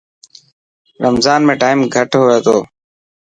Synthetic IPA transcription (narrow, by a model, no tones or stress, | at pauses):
ɾəmzaːnmẽːʈaːimɡʱəʈɦʊʋeːt̪ʰoː